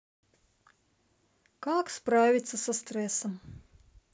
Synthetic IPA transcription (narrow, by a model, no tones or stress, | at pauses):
kaːkspɾaːvʲit̪sɐsast̪ɾɛsɐm